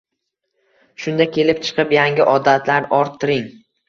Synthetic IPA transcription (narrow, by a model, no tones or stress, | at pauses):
ʃʊnd̪akʲʰe̞lɪpt͡ʃʰɨ̥qʰɨpjaŋʲɪʔɒd̪at̪ʰlaɾɒɾt̪ʰːɪɾɪŋ